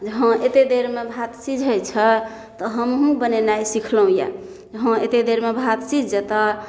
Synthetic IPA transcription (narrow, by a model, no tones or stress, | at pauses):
d͡ʒəɦə̃ʔet̪ed̪eɾmebʱat̪sid͡ʒʱɦəjt͡ʃʰə | t̪ɔɦəmɦũbənenajsikʰləɦũja̰ | d͡ʒəɦə̃et̪ed̪eɾmebʱat̪sid͡ʒd͡ʒet̪a